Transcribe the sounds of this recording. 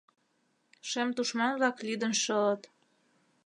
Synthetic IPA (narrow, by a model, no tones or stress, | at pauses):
ʃemt̪uʃmɑnβlɑklyd̪ə̆nʃɤ̆lə̆t̪